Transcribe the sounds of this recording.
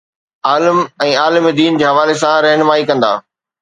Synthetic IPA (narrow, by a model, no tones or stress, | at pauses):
aːləmɛ̃ːaːlmid̪iːnd͡ʑeːɦɐʋaːlesãɾɛɦnmaːikɐ̃nd̪a̰ː